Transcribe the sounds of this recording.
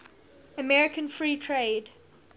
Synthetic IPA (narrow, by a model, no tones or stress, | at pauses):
əmɛɹɪkə̃nfɹiːtʰɹeːd